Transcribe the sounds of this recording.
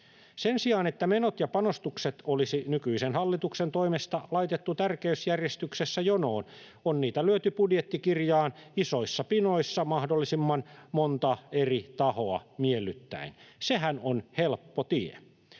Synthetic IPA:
sensiɑːnet̪ːæmenot̪jɑpɑnost̪ukset̪olisinykyisenhɑlːit̪uksent̪o̞imest̪ɑlɑit̪et̪ːut̪ærkeysjærjest̪yksesːæjono̞ːn | onniːt̪ælyøt̪ypudjet̪ːikirjɑːnisoisːɑpinoisːɑmɑhdolːisimːɑnmont̪ɑerit̪ɑhoɑmielːyt̪ːæ̰inseɦænonhelpːot̪iḛ

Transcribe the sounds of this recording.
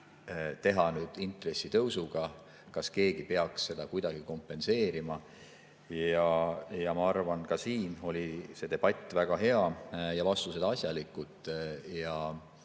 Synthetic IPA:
t̪e̞ɦɑnyːd̪̥int̪ˑre̞sːit̪ɤwsuɡ̥ɑ | kɑske̞ːɡ̥ipe̞ɑksːe̞d̪̥ɑkujd̪̥ɑɡ̥iko̞mpːˑe̞nse̞ːɾimɑ | jɑjɑmɑɑrvɑnkɑsiːno̞lʲise̞t̪e̞b̥ɑt̪ʲːˑvæɡ̥ɑɦe̞ɑjɑvɑst̪use̞d̪ɑɑsʲjɑlikːˑut̪ːˑjɑ

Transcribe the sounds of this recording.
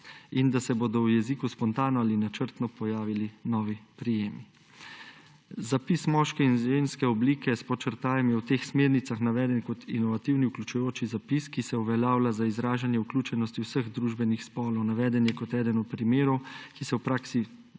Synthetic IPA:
ind̪asɛboːd̪ɔwjɛziːkuspɔnt̪aːnɔalinat͡ʃəɾt̪nɔpɔjaːʋilinɔːʋipɾijeːmi | zapismɔʃkɛinʒeːnskɛɔbliːkɛspɔt͡ʃəɾt̪aːjɛmjɛwt̪eːxsmeːɾnit̪saxnaʋɛːd̪ɛnkɔt̪ḭnɔʋat̪iwniuklʲut͡ʃujoːt͡ʃizapiskisɛuʋɛljaːwlazaizɾaːʒanjɛuklʲjuːt͡ʃɛnɔst̪iwsəɣd̪ɾuʒbɛnixspɔːlɔwnaʋɛːd̪ɛnjɛkɔt̪ɛːd̪ɛnɔt̪̚pɾimeːɾɔwkisɛwpɾaːksi

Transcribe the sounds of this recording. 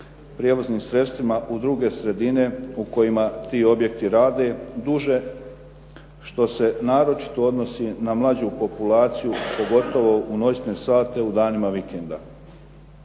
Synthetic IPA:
pɾije̞ʋozniːmsɾe̞t̪st̪ʋimaʔud̪ɾuːɡe̞sɾe̞d̪ine̞uko̞jimat̪iːo̞bje̞k̚t̪iɾaːd̪e̞d̪uʒe̞ | ʃt̪o̞se̞naːɾo̞t͡ʃi̥t̪o̞o̞d̪no̞sinamlˠad͡ʑupo̞pulaːt̪sijupo̞ɡo̞t̪o̞ʋo̞uno̞snesaːt̪e̞ud̪aːnimaʋikend̪a

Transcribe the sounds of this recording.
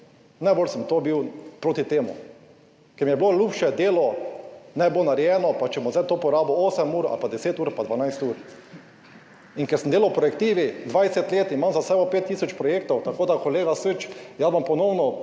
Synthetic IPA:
najboːlsəmt̪oːbiwpɾoːt̪it̪eːmṵ | kɛɾmijɛblolʲuːpʃɛd̪eːlɔnɛbonaɾjɛːnɔpat͡ʃɛmozɛjt̪oːpɔɾaːbooːsɛmuːɾa̰lpad̪ɛseːt̪uːɾpad̪ʋanajst̪uːɾ | inkɛɾsəmd̪eːlawpɾɔjɛkt̪iːʋid̪ʋajsɛt̪leːt̪imãmzasɛːbɔpet̪ːiːsɔt͡ʃpɾɔjeːk̚t̪ɔwt̪akoːd̪akoleːɡasət͡ʃjasmampɔnɔwnɔ

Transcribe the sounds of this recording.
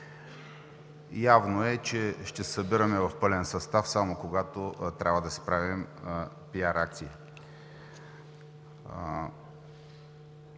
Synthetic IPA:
javnoɛt͡ʃɛʃt̪ɛsɐbiɾəmɛvɐfpɤlɛnsɐst̪afsamokoɡat̪ot̪ɾʲabvəd̪ɐsi̥pɾavim | piaɾakt̪si

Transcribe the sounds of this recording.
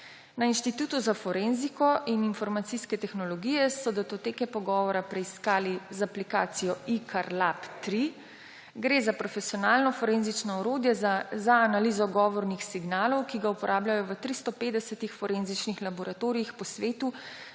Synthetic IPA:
nainʃt̪it̪uːt̪uzafɔɾenzikɔʔininfɔɾmat̪siskɛt̪ɛxnɔlɔɡiːjɛsɔd̪ɛt̪ot̪eːkɛpɔɡɔʋɔɾapɾɛiskaːlizaplika̰ːt̪sijɔikʰaɾlapt̪ɾi | ɡɾeːzapɾɔfɛsiɔnaːlnɔfɔɾenzit͡ʃnɔɔɾoːd̪jɛzaːnalizɔɡɔːʋɔɾnixsiɡnaːlɔwkiɡaupɔɾʔaːblʲajɔʋət̪ɾist̪ɔpeːd̪ɛsɛt̪ixfɔɾenzit͡ʃnixlabɔɾat̪oːɾiixpɔsʋeːt̪u

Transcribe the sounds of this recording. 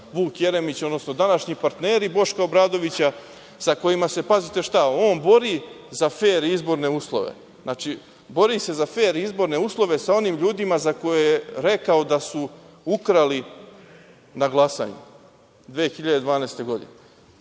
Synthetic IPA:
ʋuːkje̞ɾe̞mit͡ɕo̞d̪nosno̞d̪anaʃɲipaɾt̪ne̞ːɾibo̞ʃkao̞bɾaːd̪o̞ʋit͡ɕa | sako̞imase̞pazit̪e̞ʃt̪aoːnbo̞ɾi | zafeːɾizbo̞ɾne̞uːslˠo̞̰ʋḛ | znʔaːt͡ʃi | bo̞ɾise̞zafe̞ːɾiizbo̞ɾne̞uːslˠo̞ʋe̞sao̞niːmʎuːd̪imazako̞jejeɾe̞kao̞d̪asu | ukɾali | naɡlˠasa̰ːɲṵ | d̪ʋeːxiʎad̪e̞d̪ʋaːneːst̪e̞ɡo̞d̪ḭne

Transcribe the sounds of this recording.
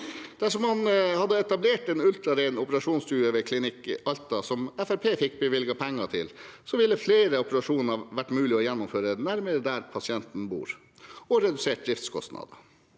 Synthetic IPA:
d̪̥æʂɔmhɑnhɑd̪ːəɛt̪ɑbleːʈɛnʉlt̪ɾɑɾæɪnɔpəɾɑʂuːnst̪ʉːjəʋəkʰlɪnɪkːɑlt̪ɑsɔmɛfæɾpʰeːfɪk̚ːbəʋɪlɡɑpʰɛŋːɑt̪ʰɪ̰lsɔʋɪlːəfleːɾəɔpəɾɑʂuːnəʋæʈːmʉːlɪɔjɛnːʊmføːɾənæɾməɾəd̪æɾpʰɑsɪɛnt̪n̩bṵːɾ | ɔɾɛd̪ʉseːʈ̚d̪ɾɪft̪skʰɔ̰st̪nɑ̰ːd̪ə

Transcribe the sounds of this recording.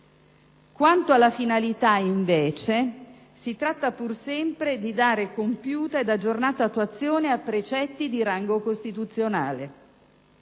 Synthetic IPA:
kwant̪oalːafinalit̪aiɱveːt͡ʃe | sit̪ɾat̪ːapursɛmpɾed̪id̪aːɾekompjuːt̪aed̪ad͡ʒːornaːt̪aːt̪ːwat̪sːjoːneapːɾet͡ʃɛt̪ːid̪iɾaŋɡokost̪it̪ut̪sːjonaːle

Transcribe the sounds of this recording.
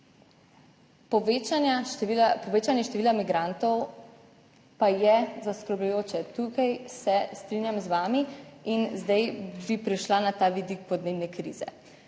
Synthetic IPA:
pɔʋet͡ʃanailapɔʋeːt͡ʃanjɛʃt̪ɛʋiːlamiɡɾant̪ɔw | pajɛzaskɾɔblɛjoːt͡ʃɛt̪uːkajsɛst̪ɾinjamzʋaːmiinzd̪ɛjbipɾiʃlanat̪aːʋid̪ik̚pɔd̪neːbnɛkɾḭːzɛ̰

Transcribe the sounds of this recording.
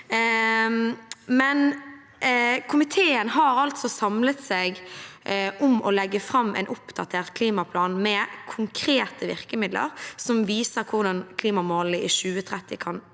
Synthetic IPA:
mɛn | kʰʊmɪt̪ʰeːənɦɑːɾɑlt̪sɔsɑmlət̪seːɡ | ʔʊmɔlɛɡːəfʁɑmːɛ̰ɪnʔʊpd̪̥ɑt̪ʰeːʁt̪kʰliːmɑpʰlɑːnmɛkʰʊŋkʰɾeːt̪ʰəʋɪʁkəmɪd̪lə̰ʁsɔmʋiːsəɾkʰʊʁd̪ɑnkʰliːmɑmoːləʔɪʃʉːət̪ʰʁɛt̪ːɪkʰɑn

